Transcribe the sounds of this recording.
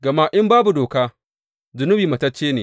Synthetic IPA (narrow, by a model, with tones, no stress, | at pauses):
ɡɐ˨maː˦ʔɪ˦mbaː˦bu˨doː˨kaː˦ | zʊ˨nʊ˦biː˨mɐ˨tɐ˦t͡ʃːeː˦neː˨